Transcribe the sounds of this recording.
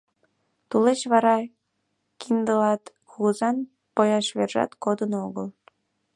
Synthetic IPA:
t̪ulet͡ɕβɑɾɑ | kind̪əlɑt̪ | kuzɑn | pojɑʃβerʒɑ̰t̪kod̪ənoɣəl

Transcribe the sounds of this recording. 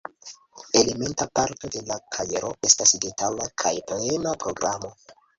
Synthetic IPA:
e̞le̞me̞ntapaɾto̞de̞lakʰaje̞ɾo̞e̞stasdetalakʰajple̞napɾo̞ɡɾamo̞

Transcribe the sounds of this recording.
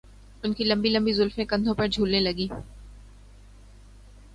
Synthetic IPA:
ʊnkilɐ̃mbilɐ̃mbizʊlfẽkɐ̃nd̪ʱõpɐɾd͡ʒʱuːlnelɐɡiː

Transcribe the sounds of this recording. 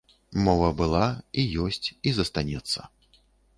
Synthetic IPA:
mɔvɐbɨlˠaijɔsʲt͡sʲizɐst̪anʲɛt̪sːɐ̰

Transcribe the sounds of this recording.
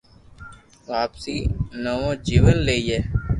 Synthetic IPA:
ʋaːpsiːnəʋõːd͡ʒiːʋəlːeːijeː

